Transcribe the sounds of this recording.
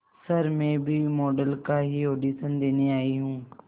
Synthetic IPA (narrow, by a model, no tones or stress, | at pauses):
sɐɾmẽbʱimɔːɖəlkaɦioːɖiːsənd̪eːniaːiɦũː